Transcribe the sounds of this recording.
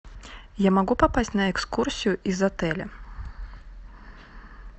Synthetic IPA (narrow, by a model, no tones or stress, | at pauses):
jamaɡupapasʲtʲnɐɛkskursʲijuʔizat̪ɛlʲɛ